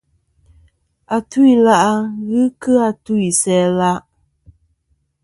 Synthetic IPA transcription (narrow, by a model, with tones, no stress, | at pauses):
a˨tu˦i˨la˦ʔa˦ɣɨ˦kɨ˦a˦˨tu˦i˨sɛː˨˦la˦ʔ